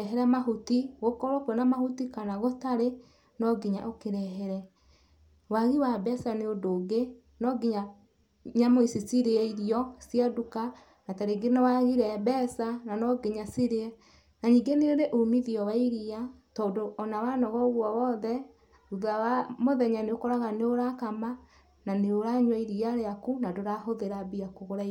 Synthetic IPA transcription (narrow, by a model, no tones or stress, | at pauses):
ɛɦɛɾɛmaɦutiɣokɔɾɔkɔnamahutikanaɣotaɾe | nɔɡiɲa̰ʔokeɾɛɦɛɾɛ | waɣiwabɛsaneodoːɡe | nɔɡiɲa | ɲamoisisiɾeiɾiɔsiaduka | nataɾeɡenewaɣiɾɛbɛsananɔɡeɲasiɾeɛ | naɲiŋɡeneoɾeʔomiðiɔwaiɾia | tɔːndoʔɔnawanɔɣɔoɣwɔwɔðɛ | uðawamoðɛɲaneokɔɾaɣaneoɾakama | naneoɾaɲwaiɾiaɾeakunadoɾahoðeɾabiakoɣoɾai